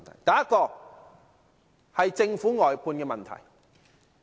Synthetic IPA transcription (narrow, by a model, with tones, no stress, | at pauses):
t̪ʰɐ̰˨˩jt̪ɐ˨˧jɐ˥t̚kːɔː˧ | hɐ˨jt͡sɪ˧ŋfuː˨˥ŋɔː˨˩jpʰuː˧nkɛː˧mɐ˨nt̪ʰɐ̰˨˩j